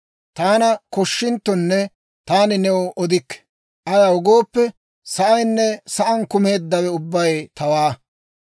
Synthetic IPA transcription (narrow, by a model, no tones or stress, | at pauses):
t̪aːnɐkɔʃːɪnt̪ːɔnːɛ | t̪aːnɪnɛwɔʔɔd̪ɪkːɛ̥ | ʔɐjɐʊɡo̞ːpːɛ | sɐʔɐjnːɛsɐʔɐnkʊme̞ːd̪ːɐwɛʊbːɐjt̪ɐwaː